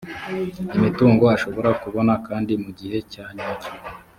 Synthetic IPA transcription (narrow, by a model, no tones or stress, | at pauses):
imituːŋɡo̞aʃo̞βo̞ɾakuβo̞nakaːndimuɟihe̞caɲacu